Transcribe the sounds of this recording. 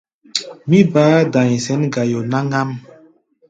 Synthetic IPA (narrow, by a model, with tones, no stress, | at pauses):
mi˦baː˦da˨ɲ˨sɛ˦nɡa˨jo˨na˦ŋa˦m